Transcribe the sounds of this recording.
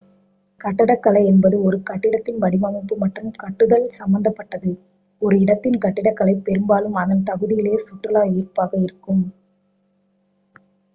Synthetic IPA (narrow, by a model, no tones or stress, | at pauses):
kɐʈːɪɽɐkːɐlɐɪɛnbɐðɯɔɾɯkɐʈːɪɽɐt̪ːɪnʋɐɽɪmɐmɪpːɯmɐʈrɯmkɐʈːɯðɐlsɐmbɐnd̪ɐpːɐʈːɐðɯ | ɔɾɯɪɽɐt̪ːɪnkɐʈːɪɽɐkːɐɭɐɪpɛɾɯmbaːlɯmɐðɐnt̪ɐɣɯðɪjɪleːsʊʈːrɯlaːiːrpaːɣɐɪɾɯkːɯm